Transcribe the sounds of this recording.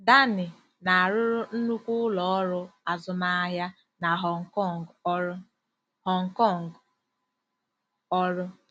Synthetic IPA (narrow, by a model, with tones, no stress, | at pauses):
da˦nɪ˨ | na˨a˨ɾʊ˦ɾʊ˦n̩˦nu˦kʷu˦ʊ˦lɔ˨ɔ˦ɾʊ˦a˨zʊ˨ma˦a˦ɦja˦ | na˨ɦɔ˨ŋ̩˨kɔ˦˨ŋ˦ | hɔ˨ŋ̩˨kɔ˦˨ŋ˨ɡ | ɔ˦ɾʊ˦